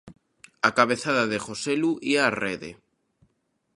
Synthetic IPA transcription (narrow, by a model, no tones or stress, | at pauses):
akaβ̞eθaðaðexoseluʔiareðḛ